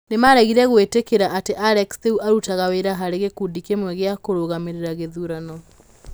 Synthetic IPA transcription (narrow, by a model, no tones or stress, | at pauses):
nemaɾɛɣiɾɛɣwetekeɾaʔateʔaɾɛksðeuʔaɾutaɣaweɾaɦaɾeɣekudikemwɛɣeakoɾoɣameɾeɾaɣeðuɾanɔ